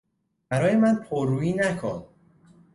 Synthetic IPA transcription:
bæɾɒːjemænpʰoɾːuːjiːnækʰon

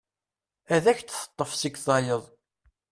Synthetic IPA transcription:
æðæçt͡sθə̥t̪ˤːəfsiksˤɑjəðˤ

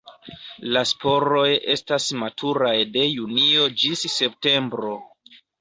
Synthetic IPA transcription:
laspo̞ɾo̞je̞stasmatʰuɾajde̞junio̞d͡ʒisːe̞p̚te̞mbɾo̞

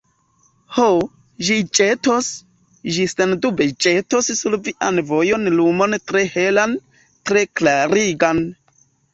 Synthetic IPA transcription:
ho | ʒit͡ʃetos | ʒisendubet͡ʃetossulviʔanvo̞jo̞nlumo̞ntɾe̞he̞lan | tɾe̞klaɾiɡan

